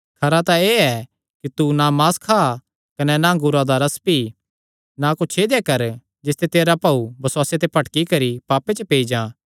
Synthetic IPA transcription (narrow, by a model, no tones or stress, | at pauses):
kʰɐɾat̪ãeːɛ | kit̪unamaːskʰaː | kɐnɛnaŋɡʊɾad̪aɾɐspi | nakʊt͡ʃʰed̪ekɐɾ | d͡ʒɪst̪et̪eːɾapɐubɐsʊwaːset̪epɐʈkikɐɾipaːpet͡ʃəpeːid͡ʒãː